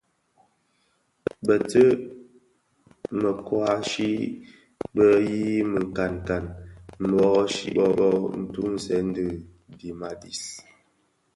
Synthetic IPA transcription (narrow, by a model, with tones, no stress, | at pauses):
bə˨tə˦ | mə˨kwa˨˦ʃi˦ | bə˦ji˦mə˨ŋ˨ka˨nka˨nm̩˨bɔ˦ɣɔ˦ʃḭ˦ɓɔ˦ɓɔ˦n̩˨tu˦n̩˨sɛ˨˦n̩˦dɨ˦˨ | di˨ma˨di˨s